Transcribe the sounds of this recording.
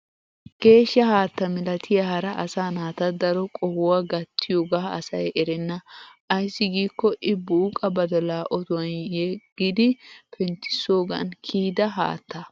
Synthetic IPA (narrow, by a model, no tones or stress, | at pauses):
ɡ̥e̞ːʃːɐhaːt̪ːɐmɛlɐt̪ʰɪjɐhɐɾɐʔɐsaːnaːt̪ɐd̪ɐɾɔkʼɔhʊwaɡɐt̪ːɪjoːɡaːɐsɐjɛɾɛnːɐʔɐjsːɪɡiːkːɔʔɪbuːkʼɐbɐd̪ɔlaːʔɔt̪ʊwɐnjɛɡ̥ɪd̪ɪpʰɛnt̪ɪ̥so̞ːɡɐ̰nkʰiːd̪ɐɦa̰ːt̪ːɐ